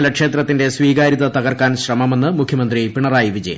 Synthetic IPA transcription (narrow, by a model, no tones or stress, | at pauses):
lɐkʂe̞ːt̪rɐt̪ːinde̞sʋiːɣaːɾiðɐt̪ɐɣɐrkaːnɕrɐmɐme̞nːɨmukʰjɐmɐnd̪ripiɳɐraːjiʋid͡ʑḛj̰